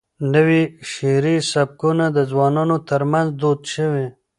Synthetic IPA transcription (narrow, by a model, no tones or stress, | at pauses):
nəwiʃeɾisab̚kunad̪əzwɑnɑnot̪əɾmanzd̪od̪ʃəwe